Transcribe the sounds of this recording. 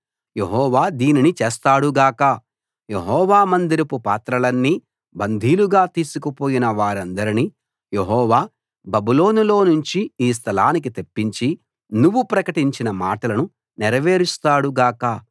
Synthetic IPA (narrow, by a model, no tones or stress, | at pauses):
je̞ɦɔːʋaːd̪iːninit͡ʃeːst̪aːɽuɡaːkɐ | je̞ɦɔːʋaːmɐnd̪iɾɐpupa̰ːt̪ɾɐlɐnːiː | bɐnd̪ʱiːluɡaːt̪iːsukɐpo̞ːjinɐʋaːɾɐnd̪ɐɾini | jeɦɔːʋaː | bɐbulo̞ːnulo̞ːnuɲt͡ʃiiːs̬t̪ʰɐlaːnik̬it̪epːiɲt͡ʃi | nuʋːupɾɐkɐʈiɲt͡ʃinɐmaːʈɐlɐnu | nɛɾɐʋe̞ːɾist̪aːɽuɡaːkɐ